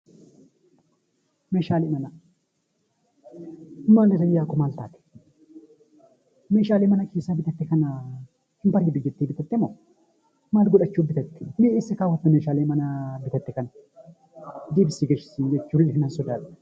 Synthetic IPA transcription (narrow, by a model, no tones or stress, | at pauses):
meːʃaːlemɐnɐ | ɪmːaːndɐzɐjjaːkːɔmaːlt̪a̰ːt̪ɛ̥ | meːʃaːlemɐnɐkʰeːsːabɪt̪ɐt̪ːɛkɐnɐ | hɪmpɐɾebɪd͡ʒɛt̪ːiːbɪt̪ɛt̪ːɛmo | maːlɡʊᶑɐt͡ʃːubɪt̪ɐt̪ːɛ̥neeːsːɛkaːwɔt̪ːɐmeːʃaːlemɐnɐbɪt̪ɐt̪ːɛkɐn | d̪iːbɪsːɪɡeʃɪ̥sɪnd͡ʒɛt͡ʃːulːɛnɐsɔd̪aːᶑ̪